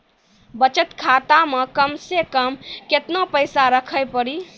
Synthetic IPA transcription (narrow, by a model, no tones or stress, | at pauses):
bət͡ʃət̪kʰat̪amekəmsekəmket̪nopəɪsaɾəkʰəjpəɾi